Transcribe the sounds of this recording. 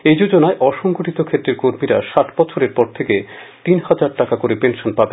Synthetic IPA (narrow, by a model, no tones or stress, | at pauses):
ejd͡ʑod͡ʑonaeʔɔʃɔŋɡoʈit̪okʰet̪ːɾeɾkoɾmiɾa̰ʃaʈʰbɔt͡ɕʰoɾeɾpɔɾt̪ʰeket̪inhad͡ʑaɾʈakakoɾepenʃonpaben